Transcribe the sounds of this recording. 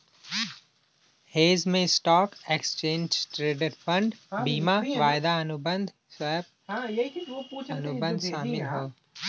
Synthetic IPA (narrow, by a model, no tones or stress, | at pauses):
heːzmẽsʈɔːkekst͡ʃẽːɲd͡ʒʈɾeːɖəɾfɐ̃ɳɖbiːmaʋaːɪd̪aɐnʊbə̃nd̪ʱ | sɛb̚ | ɐnʊbə̃nd̪saːmɪlɦoː